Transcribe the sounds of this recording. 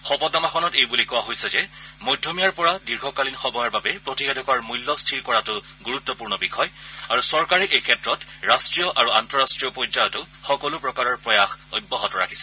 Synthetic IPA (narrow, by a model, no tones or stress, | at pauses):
xɔpɔtamaxʰɔnɔtejbulikɔwaɦojsɛd͡ʒɛmojdʱjomijaɹpɔɹadiɹɡʱɔkalinxɔbɔjɔɹbabɛpɹotibedʱɔkaɹmujlːɔstʰiɹkɔɹatʊ | ɡuɹutːɔpuɹnɔbixʰɔjaɹusɔɹkaɹɛʔejkʰɛtɹɔtɹastɹijɔʔaɹuantɔɹastɹijɔpɔjzajɔtʊ | xɔkɔlʊpɹɔkaɹɔɹpɹɔjaxo̰jbːɔɦɔtɔɹa̰kʰi̥sɛ̥